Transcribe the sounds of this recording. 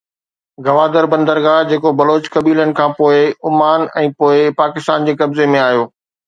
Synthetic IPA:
ɡɐʋaːd̪əɾbɐ̃nd̪əɾɡaːd͡ʑeːkobɐloːt͡ɕkɐbiːlənɪ̆kʰãːpoːɪʊmaːnɛ̃ːpoːɪpaːkɪst̪aːnd͡ʑeːkɐbzemẽaːɦjoː

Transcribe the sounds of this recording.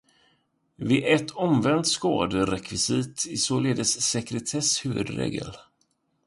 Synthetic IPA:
vɪɛt̪ʰːɔmvɛnt̪skɑ̰ːd̪əɾɛkʰvɪsɪt̪ʰɪsoːleːd̪əsːɛkɾɛt̪ʰɛshʉ̟ːvɵd̪ɾḛːɡə̰l

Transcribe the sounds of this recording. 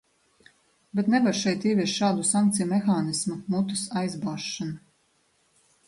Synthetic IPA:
bet̪nɛvaɾʃɛjt̪iːvʲiɛʃʃaːd̪usaŋkt̪sijumɛxaːnismumut̪u̥sajzbaːʃːana

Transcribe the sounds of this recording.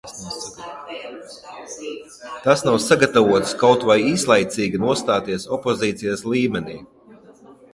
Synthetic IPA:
nas | t̪asnawsaɡat̪avuɔt̪skawt̪vajiːslˠajt̪siːɡʲinuɔst̪aːt̪iɛsɔpɔziːt̪sijaslˠiːmɛniː

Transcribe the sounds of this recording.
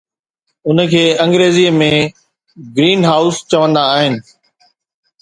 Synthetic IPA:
ʊnkʰeːɐ̃ŋɡɾeːziəmẽ | ɡɾiːnɦaːʊst͡ɕɐʋə̃nd̪aːɦɪnɪ̆

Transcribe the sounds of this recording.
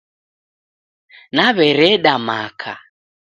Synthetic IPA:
naβɛɾɛɗamakʰa

